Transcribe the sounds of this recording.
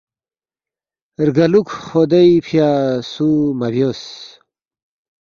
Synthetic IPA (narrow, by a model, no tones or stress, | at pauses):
ɾɡɐlukχod̪ɐjpʰjaːsumɐbjoːs